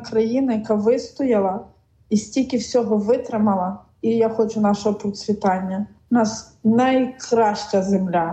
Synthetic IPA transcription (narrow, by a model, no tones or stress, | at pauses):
kɾɐjinɐjɐkaʋɪst̪ɔjɪlˠɐ | isʲtʲilʲkʲɪwsʲɔɦɔʋɪt̪ɾɪmɐlˠɐ | ijaxɔt͡ʃʊnɑʃɔɦɔpɾɔt̪sʲʋʲit̪ɑnʲːɐ | nɑs | nɐjkɾɑʃt͡ʃɐzemlʲa